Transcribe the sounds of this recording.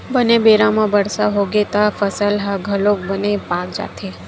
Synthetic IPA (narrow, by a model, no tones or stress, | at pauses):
bənebeɾãmãbəɽsaɦoɡet̪afəsəlɦaɡʱəlok̚bənepak̚d͡ʒa̰t̪ʰe